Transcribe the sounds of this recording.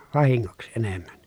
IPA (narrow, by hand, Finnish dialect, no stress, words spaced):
ʋɑhiŋːoksĭ enemːæn